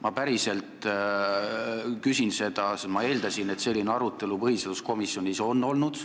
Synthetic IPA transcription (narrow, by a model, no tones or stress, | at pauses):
mɑpæɾise̞lt̪ˑ | kysinse̞d̪̥ɑsmɑe̞ːld̪ɑsine̞t̪se̞lːineɑɾut̪ːˑe̞lupɤhiset̪usko̞misjo̞nʲiso̞nːo̞lnud̪̥